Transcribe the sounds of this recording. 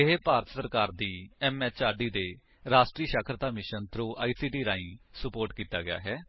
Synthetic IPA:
ɪɦeːpaːɾət̪səɾkaːɾd̪iːɛːmɛːt͡ʃaːɾɖiːd̪eː | ɾaːsʈɾiːʃakʰɾət̪aːmɪʃənt̪ʰɾuːʔaːiːsiːʈiːɾãːĩːsəpoːɾʈkiːt̪a̰ːɡɪja̰ːɦɛː

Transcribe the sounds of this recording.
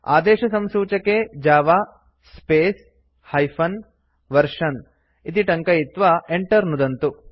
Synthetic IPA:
a̰ːd̪eːʃɐsɐmsuːt͡ʃɐked͡ʒaːʋaː | speːs | hɐjpʰɐn | ʋɐɾʂɐn | it̪̬iʈɐŋkɐjit̪ʋaːeɳʈɐɾnud̪ɐnt̪u

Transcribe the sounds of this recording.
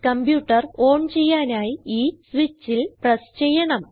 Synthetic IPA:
kɐmbjuːʈːɐro̞ːɳt͡ɕe̞jːaːnaːjiiːsʋit͡ɕːilprɐst͡ɕejɐɳɐm

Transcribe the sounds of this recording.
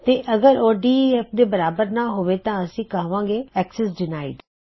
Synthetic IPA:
t̪eːʔəɡəɾoːɖiːɛːp̚ʰd̪eːbəɾaːbəɾnaːɦoːʋeːt̪ãːəsĩːkəɦʋãːɡeːɛːksɛsd͡ʒɪnaːḭːd̪

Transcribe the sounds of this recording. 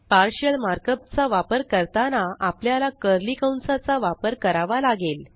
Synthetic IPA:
paɾɕəlmaɾkət̪̚t͡saʋapəɾkəɾt̪anaʔapljalakəɾlikawnsat͡saʋapəɾkəɾaʋalaɡel

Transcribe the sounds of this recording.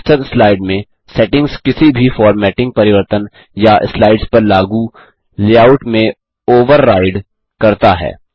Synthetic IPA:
t͡ʃət̪slaːɪɖmẽ | sɛʈɪ̃ŋɡzkɪsibʱifɔːɾmɛːʈɪ̃ŋɡ̚pɐɾɪʋəɾt̪ən | jaʔɪslaːɪɖspɐɾlaːɡu | leaːʊʈmẽ | oːʋəɾːaːɪɖ | kɐɾt̪aɦɛ̰ː

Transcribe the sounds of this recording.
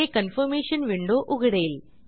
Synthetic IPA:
ekɐnfɐɾmeːʂɐnʋiɳɖoːʔʊɣɪɽɐjɪl

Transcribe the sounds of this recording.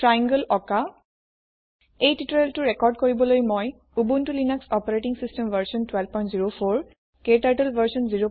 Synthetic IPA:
tɹajaŋɡəlɔka | ejtituɹeltuɹɛkɔɹɖkoɹibɔlojmɔj | ubuntulinaksɔpaɹeʈiŋsistemvəɹsɔntwɛlb̚pɔj̃ntziɹopʰoɹ | keʈajʈəlvʱəɹsɔnziɹo

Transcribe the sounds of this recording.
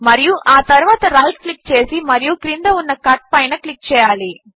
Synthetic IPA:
mɐɾijuʔaːt̪ɐɾuʋaːt̪ɐɾaːlsklik̚ːt͡ʃe̞ːsimɐɾijukɾind̪ɐunːɐkɐʈ̚pɐjnɐklik̚t͡ʃɛːjaːli

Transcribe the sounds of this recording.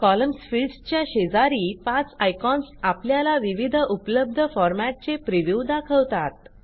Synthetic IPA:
kɔləmsfilɖst͡ɕjaɕed͡zaɾiːpãt͡sajkɔnsapljalaʋiʋid̪ʱupələb̚d̪ʱəfɔɾmaʈ̚t͡sepɾiʋjuwd̪akʰəwt̪at̪̚

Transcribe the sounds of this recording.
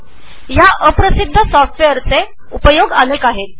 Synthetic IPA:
jaʔəpɾəsid̪ʱːəsɔfʈʋejəɾt͡se | upəjoɡənekaɦet̪̚

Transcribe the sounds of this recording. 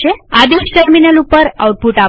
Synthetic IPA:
ead̪isʈəɾminəlupəɾa̰wʈ̚puʈa

